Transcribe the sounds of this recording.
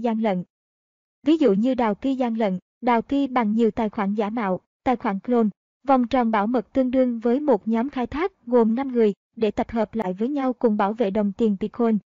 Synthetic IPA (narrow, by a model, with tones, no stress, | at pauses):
zaː˧ŋlə̰˧˨n | vi˨˦zṵ˧˨ɲɨ˧ɗaː˨˩wki˧zaː˧ŋlə̰˧˨n | ɗaː˨˩wki˧ɓa˨˩ŋɲi˨˩əwt̪aː˨˩jxwaː˧˩nzaː˧˩ma̰ː˧˨w | t̪a̰ː˧˨˩jxwaː˧˩nklo˧n | va˨˩wŋ͡mt͡ɕɔ˨˩nɓaː˧˩wmə˨˩k̚t̪ɨ˧əŋɗɨ˧əŋvəː˨˦jmo˨˩t̚ɲɔ˨˦mxaː˧jt̪ʰaː˦˥k̚ɣo˨˩mna˧mŋɨ˨˩əj | ɗe˧˩t̪ə˨˩p̚həː˨˩p̚la̰ː˧˨jvəː˨˦jɲa˧wkʊ̰˨˧˩ŋ͡mɓaː˧˩wvḛ˧˨ɗə˨˩wŋ͡mt̪i˨˩ənt̪i˧˩kʰo˧n